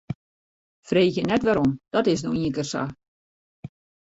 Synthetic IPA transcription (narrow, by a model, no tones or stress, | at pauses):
freːxjənɛtʋaɾomd̥ɔtɪs̬noiə̃kərsa̰